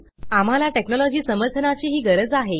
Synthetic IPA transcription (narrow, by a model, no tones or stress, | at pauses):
am̤alaʈeknɔlɔd͡ʑiːsəməɾt̪ʰənat͡ɕiːɦiːɡəɾəd͡zaɦe